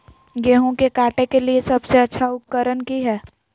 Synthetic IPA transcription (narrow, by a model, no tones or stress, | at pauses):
jeːɦũkekaːʈekeliesəbseətːʃʰaʊp̚kəɾənkiɦɛː